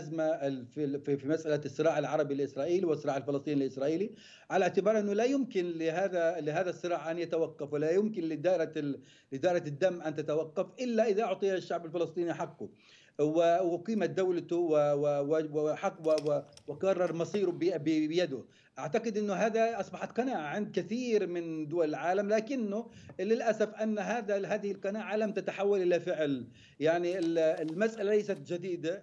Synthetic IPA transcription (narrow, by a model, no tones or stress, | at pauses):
zmafififimasʔalasˤːɨɾɑːʕɪlʕɑɾˤɑbilʔɪsɾˤɑːʔiːliwɨsˤːɨɾɑːʕɪlfɪlɨsˤt̪ˤiːnɪlʔɪsɾˤɑːʔiːli | ʕalaʕt̪ɪbɑːɾˤʔɪnːʊlajʊmkɪnlɪɦaːðalɪɦaːðasˤːɨɾˤɑːʕʔanjat̪awɑqːɑfwɪlajʊmkɪnlɪd̪aːʔɪɾa | lɪd̪aːʔɪɾɑd̪ːamːʔant̪at̪awɑqːɑfʔɪlːaʔɪðaʔʊʕt̪ˤijʃːaʕbɪlfɪlɨsˤt̪ˤiːniʔħaqːʊ | wɪwɪqiːmad̪awlat̪ʊwɪwɪwwɪħaqːwɪwɪwɪkɑrˤːɑɾˤmɑsˤiːɾʊbbɪbɪjad̪ʊ | ʔaʕt̪aqɨd̪ʔɪnːʊɦaːðaʔɑsˤbɑħat̪qɑnaːʕaʕɪnd̪̚kɪθiːɾmɪnd̪ʊwalɪlʕaːlamlaːkɪnːʊlɪlʔasafʔanːɦaːðaɦaːðɪhɪlqɑnaːʕalamt̪at̪aħawːalʔɪlafɪʕl | jaʕniɪɪlmasʔalalajsat̪d͡ʒad̪iːd̪a